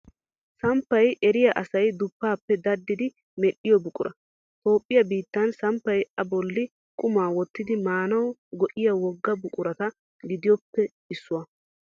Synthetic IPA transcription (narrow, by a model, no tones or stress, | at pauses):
sɐmpːɐjʔɛɾɪjɐʔɐsɐjd̪ʊpːaːpːɛd̪ɐd̪ːɪd̪ɪ | mɛɗːɪjɔbʊkʼʊɾʔɐ | t̪o̞ːpʼːɪjɐbiːt̪ːɐnsɐmpːɐjɐbɔlːɪ | kʼʊmaːwɔt̪ːɪd̪ɪmaːnɐwɡɔʔɪjɐwɔɡːɐbʊkʼʊɾɐt̪ɐ | ɡɪd̪ɪjɔpːɛ | ɪsːʊwɐ